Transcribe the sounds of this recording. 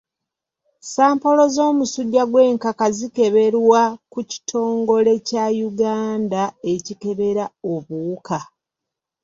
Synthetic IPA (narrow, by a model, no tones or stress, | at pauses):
saːmpo̞lo̞zo̞ːmusuɟːaɡwe̞ːŋkakazike̞βe̞ɾwakuci̥tʰo̞ːŋɡo̞le̞cajuɡaːndae̞cike̞βe̞ɾao̞βuuka